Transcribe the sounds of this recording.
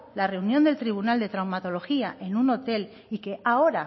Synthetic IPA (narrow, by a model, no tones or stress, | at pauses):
lare̞unjo̞nd̪e̞lt̪ɾiβ̞unald̪e̞t̪ɾawmat̪o̞lo̞xiaʔe̞nuno̞t̪e̞l | ike̞ao̞ɾa